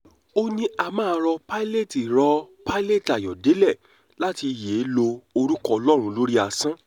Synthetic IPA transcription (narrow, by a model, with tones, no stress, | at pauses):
o˦nĩ˦a˧mãː˦˧˦ɾɔ˧pa˦i˦le˦˨ti˨ɾɔ˧pa˦i˦le˦˨ta˨jɔ˨de˨˦lɛ˦˨ | la˦ti˧˨je˨˦lo˧o˧ɾu˦kɔ˦ɔ˧lɔ˦ɾ̃ũ˧˦lo˦ɾi˦a˧sã˦